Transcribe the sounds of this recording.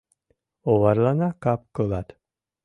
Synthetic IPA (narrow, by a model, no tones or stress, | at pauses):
oβaɾlˠanakap̚kɯlˠat̪